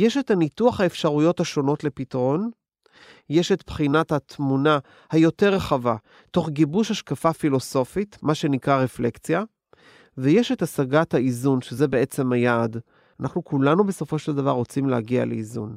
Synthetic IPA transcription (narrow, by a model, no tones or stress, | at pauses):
jeʃethanituaχhaefʃaʁujo̞thaʃo̞no̞tle̞pitaʁo̞n | jeʃet̪pχinathat̪muna | hajo̞te̞ʁeχava | to̞χɡibuʃhaʃkafafilo̞so̞fitmaʃe̞nikʁaʁeflekt͡sja | vejeʃe̞tasaɡathaizunʃezebe̞e̞t͡se̞mhajaːd | anaχnukulanube̞so̞fo̞ʃeld̪avaʁːo̞t͡simlehaɡia̰lḛizṵn